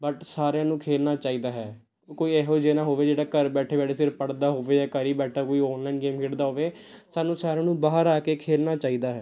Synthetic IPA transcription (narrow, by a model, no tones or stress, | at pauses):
bəʈsaːɾejãːnũːkʰeːlnaːt͡ʃaːiːd̪aːɦɛː | koːiːɛɦoːd͡ʒeːnaːɦoːʋeːd͡ʒeːɽaːkəɾbɛːʈʰeːbɛːʈʰeːsɪɾpəɽd̪aːɦoːʋeːd͡ʒaːkəɾiːbɛːʈʰaːkoːiːɔːnlaːinɡeːmkʰeːɽd̪aːɦoːʋeːsaːnːũːsaːɾejãːnũːbaːɦəɾaːkeːkʰeːlnaːt͡ʃaːiːd̪aːɦɛː